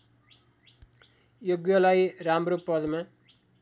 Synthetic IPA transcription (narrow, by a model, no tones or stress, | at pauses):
joɡjʌlajramropʌd̪ma